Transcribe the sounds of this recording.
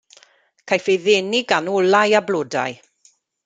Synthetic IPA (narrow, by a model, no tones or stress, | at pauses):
kʰajfejðeːnɪɡanɔlajabloːda̰j